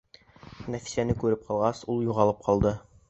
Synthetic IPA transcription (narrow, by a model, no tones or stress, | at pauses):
næfi̥sænɘkʉɾɘp̚qʰɑlˠʁɑsulˠjuʁɑlˠɤp̚qʰɑlˠd̪ɤ